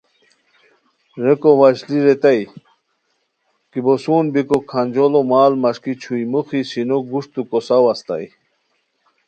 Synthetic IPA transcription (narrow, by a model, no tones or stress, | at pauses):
ɾekowaɕliɾet̪aj | kibosuːnbikokʰand͡ʑolomaːlmɐʂkit͡ɕʰujmuxisinoɡuʂt̪ukosawɐst̪a̰j